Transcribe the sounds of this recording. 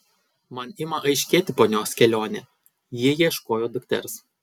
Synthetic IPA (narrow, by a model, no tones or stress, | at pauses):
mɐnɪmɐʔɐɪʃʲkʲeːt̪ʲɪpoːnʲoːskʲɛlʲoːnʲɛ | jɪjiɛʃkoːjoːd̪ʊkt̪ʲɛ̰ɾs